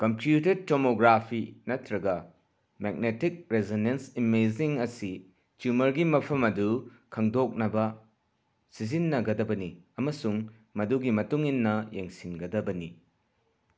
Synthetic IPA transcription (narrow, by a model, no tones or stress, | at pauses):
kɐmpjuted̚tːomoɡɾapʰinɐtɾɐɡɐ | meɡ̚netik̚ɾezinensimeziŋɐsi | t͡ʃumɐɾɡimɐpʰɐmɐdu | kʰɐŋdok̚nɐbɐ | sizinːɐɡɐdɐbɐniɐmɐsuŋ | mɐduɡimɐtuŋinːɐjeŋsinɡɐdɐbɐni